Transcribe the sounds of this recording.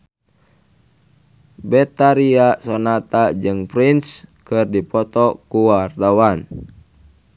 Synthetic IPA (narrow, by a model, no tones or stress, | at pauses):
bɛt̪aɾiasɔnat̪ad͡ʒɨŋpɾinskɨrdipɔt̪ɔkuwart̪awan